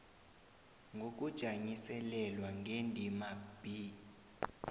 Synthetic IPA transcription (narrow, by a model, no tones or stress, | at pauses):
ŋɡʱok̬ʼud̥ʒ̥ʱaɲisɛlɛlwaŋʱendʱimab̥ʱi